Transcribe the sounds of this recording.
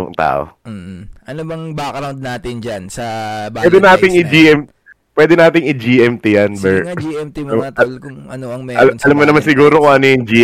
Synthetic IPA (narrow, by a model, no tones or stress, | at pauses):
ʊ̰ŋt̪a̰ːʔo̰ | ʔɐnobɐŋbɐkɐɾɐod̪̚naːt̪ɪnd͡ʒansɐbwɛːd̪ɛnaːt̪ɪŋɪd͡ʒiːʔɛm | pwɛːd̪ɛnaːt̪ɪŋʔɪd͡ʒiːʔɛmt̪ɪjɐnbɛɹd͡ʒɛmt̪ikʊŋʔɐnoɐŋmɛɐlɐlɐmːonɐmansɪɡuːɾokʊŋʔɐnojʊŋd͡ʒiː